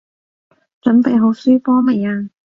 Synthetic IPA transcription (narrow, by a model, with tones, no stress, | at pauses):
t͡ʃɵ˨˥npe˨jɦo˨˧˥wsyː˥fɔː˥me˨jaː˧